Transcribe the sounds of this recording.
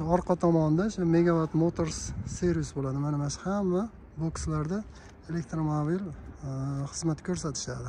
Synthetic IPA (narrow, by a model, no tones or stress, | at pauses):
ʊɒɾqʰɑt̪ʰɒmɒnd̪aʃʊme̞ɡʲabat̪mot̪ʰoɾsːeɾusbolad̪ɪmanɪmaʃhamva | bokslaɾd̪a | e̞lek̚t̪ɾomobil | χɨzmat̪kʲʰɵɾs̬at̪ʰɪ̥ʃad̪ɪ